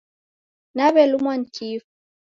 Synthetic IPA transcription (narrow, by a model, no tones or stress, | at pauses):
naβɛlumwan̩t͡ʃifu